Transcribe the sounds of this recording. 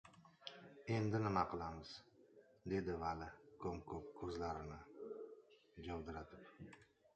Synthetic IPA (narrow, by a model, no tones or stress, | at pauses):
e̞nd̪ɪnɪmaqʰɨlˠamɪz̥ | d̪e̞d̪ɪvalɪkʰɵmkʰɵp̚kʰɵzlaɾɪnɪ | d͡ʒawd̪ɪɾat̪ɪp